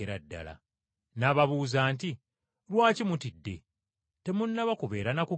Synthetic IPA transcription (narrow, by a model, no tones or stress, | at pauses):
eɾadːa̰la̰ | naːβaβuːzaːnti | lwaːcimutidːe̞̰ | te̞munːaβakuβe̞ːɾanaku